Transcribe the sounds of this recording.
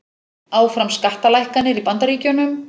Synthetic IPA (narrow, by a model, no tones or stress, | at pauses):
aːwfɾamskaht̪alajhkanːɪɾipant̪aɾiːcʏnʏm